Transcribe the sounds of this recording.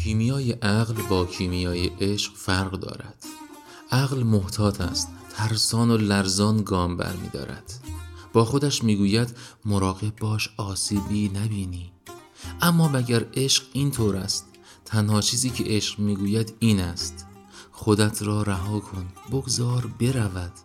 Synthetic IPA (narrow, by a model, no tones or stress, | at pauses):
cʰiːmijɒːjeʔæɣlbɒːcʰiːmijɒːjeʔeʃqfæɾʁd̪ɒ̰ːɾæ̰d̪̥ | ʔæɣlmoht̪ʰɒːt̪ʰæ̰st̪ʰːæɾsɒːnolæɾzɒːnɡɒːmbæ̰ɾmḭːd̪ɒ̰ːɾæ̰d̪̥b̥ɒːxo̞d̪æʃmiːɡuːjæd̪moɾɒːɣeb̚bɒːʃɒːsiːbiːnæbiːniː | ʔæmːɒːmæɟæɾe̞ʃqiːnt̪ʰoːɾæ̰st̪ | t̪ʰːænhɒːt͡ʃʰiːziːcʰḛʔeʃqmiːɡuːjæd̪iːnæst̪ | xo̞d̪æt̪ʰɾɒːɾæɦɒːkʰonboɡzɒːɾbe̞ɾævæd̪̥